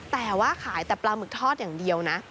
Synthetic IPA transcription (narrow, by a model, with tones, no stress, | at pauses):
t̪ɛː˨˩waː˥˩kʰaː˩˦jt̪ɛː˨˩plaː˧mɯ˨˩k̚t̪ʰɔː˥˩t̪̚jaː˨˩ŋdi˧əwna˦˥